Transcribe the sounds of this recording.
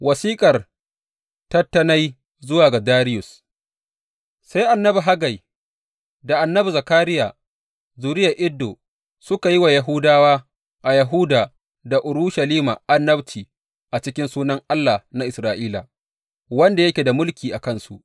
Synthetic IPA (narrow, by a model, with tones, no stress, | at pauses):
wɐ˨siː˦kʼɐ˨r | tɐ˦tːɐ˦na˦j | zʊ˦waː˨ɡa˨daː˦ɾɪ˦jʊ˨s | sa˦jʔa˨nːɐ˦bu˨ɦa˦ɡa˨j | da˨ʔa˨nːɐ˦bu˨zɐ˨kaː˦ɾɪ˦ja˨ | zuː˨ɾɪ˦ja˨ʔɪ˦dːoː˨ | sʊ˦ka˨ji˦wa˨jɐ˨ɦʊ˦daː˦waː˦ | ʔa˨jɐ˨ɦʊ˦daː˨ | da˨ʔʊ˨ɾuː˦ʃa˨liː˦ma̰˨ʔa˦nːɐ˦btʰiː˨ | ʔa˨t͡ʃɪ˦kʲɪ˦nsuː˦nɐ˦ŋʔa˦lːa˨na˦ʔɪ˨sɾaː˨ʔiː˦la̰˨ | wɐ˦nda˨jɐ˦kʲeː˨da˨mʊ˦lkʲiː˨ʔa˨kɐ˦nsṵ˨ʔ